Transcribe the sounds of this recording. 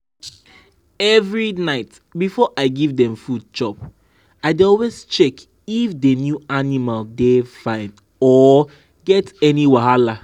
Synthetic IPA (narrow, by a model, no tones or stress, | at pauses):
ɛvɹinaɪt | bifɔʔaɪɡivdɛ̃mfud̚t͡ʃɔp | aɪdeɔlwest͡ʃɛk | ifdenjuanimaldefãɪ̃n | ɔ | ɡɛtɛniwaɦala